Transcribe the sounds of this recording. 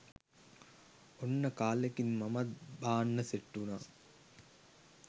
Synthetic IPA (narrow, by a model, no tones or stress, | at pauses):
onːəkaːlekinmɐmat̪̚baːnːəseʈːunaː